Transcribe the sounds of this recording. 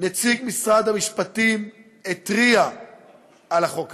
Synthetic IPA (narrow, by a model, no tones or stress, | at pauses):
net͡siɡmisʁad̪hamiʃpat̪im | et̪ʁia | alaχok